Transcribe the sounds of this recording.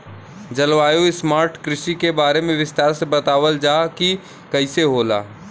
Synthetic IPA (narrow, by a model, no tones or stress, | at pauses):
d͡ʒɐlʋaːjoɪsmaːɾʈkɾɪʃikebaːɾemẽʋɪst̪aːɾsebɐt̪aːʋəld͡ʒaːki | kɐɪseɦoːla̰ː